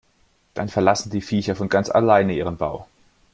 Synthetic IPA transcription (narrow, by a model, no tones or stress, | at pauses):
d̥anfɛɐlasn̩diːfiːçɐfɔnɡant͡sa̰laɪnəiːʁ̞ənba̰ʊ